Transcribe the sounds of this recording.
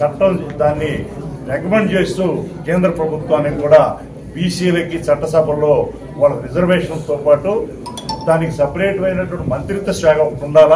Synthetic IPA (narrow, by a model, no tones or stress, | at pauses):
t͡ʃɐʈːɐmd̪aːnːiɾɐkɐmeɳɖt͡ʃe̞ːst̪uːkeːnd̪ɾɐpɾɐbʱut̪ʋaːnːikuːɽaː | biːsiːlɐkːit͡ʃɐʈːɐsɐbʱɐloː | ʋaːɭːɐɾid͡ʒɐɾʋeːʂɐnlt̪oːpaːʈu | d̪aːnikisɐpɐɾeːʈʋɐjnɐʈːuʋɐɳʈimɐnt̪ɾit̪ːɐsʋaːɡɐmuɳɖaːla